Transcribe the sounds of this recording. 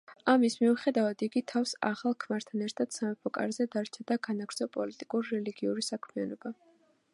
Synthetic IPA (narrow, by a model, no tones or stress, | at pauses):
amismiuχɛd̪avad̪iɡit̪ʰafsa̰χalˠkʰmaɾt̪ʰanɛɾt̪ʰad̪̥samɛpʰɔkʼa̰ɾzɛd̪aɾt͡ʃʰad̪aɡanaɡɾt̪sʰɔpʼɔlit̪ʼikʼuɾɾɛliɡiuɾisakʰmianɔba